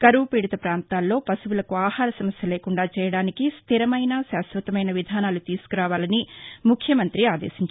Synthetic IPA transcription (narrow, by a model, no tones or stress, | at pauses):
kɐɾuʋpiːɽit̪ɐpɾaːnt̪aːlːo̞ːpɐsuʋulɐkuaːhaːɾɐsɐmɐsjɐleːkuɳɖaːt͡ʃɛːjɐɽaːnikist̪ʰiɾɐmɐjnɐʃaːsʋɐt̪ɐmɐjnɐʋid̪ʱaːnaːlut̪iːsu̥kuɾaːʋaːlɐnimukʰjɐmɐnt̪ɾiaːd̪eːsiɲt͡ʃ